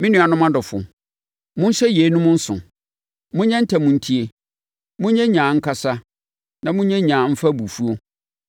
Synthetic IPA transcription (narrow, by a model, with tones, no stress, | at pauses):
mɪ̃˦nĩ˦a˨nʊ̃˦mã˦dʊ˨fʊ̰˨ | mʊ̃˦n˦ɕɛ˦je˨˦nʊ̃˦mʊ̃˦n̩˦sʊ̰̃˨ | mʊ̃˦ɲɛ̃˦n̩˦tʰa˨mʊ̃˨n̩˦tʰi˦e˨ | mʊ̃˦ɲɛ̃˦ɲãː˨ŋ̩˦kʰa˦sa˦ | nã˨mʊ̃˦ɲɛ̃˦ɲãː˨˦m̩˦fa˦bu˨fu˦o˦